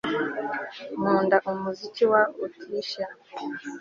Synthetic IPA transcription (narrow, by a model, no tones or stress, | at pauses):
muːndaʔumuziciwautʰiːʃa